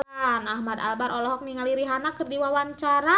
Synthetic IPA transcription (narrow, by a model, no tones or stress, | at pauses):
nahmad̪a̰lbaɾʔɔlɔɦɔk̚niŋaliɾiɦanakərdiwawaɲt͡ʃaɾa